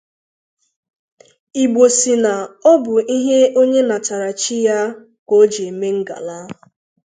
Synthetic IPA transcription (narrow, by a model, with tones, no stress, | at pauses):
i˨ɡ͡bo˨si˨na˨ɔ˦bʊ˨i˦ɦe˦o˦ɲe˦na˨ta˨ɾa˨t͡ʃi˦ja˦ | kʷo˦d͡ʒe˨e˨me˦ŋ̩˦ɡa̰˨la˦ʊ˨